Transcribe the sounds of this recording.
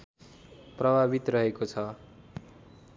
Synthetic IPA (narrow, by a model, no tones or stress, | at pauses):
prʌbʱabit̪rʌɦekot͡sʰʌ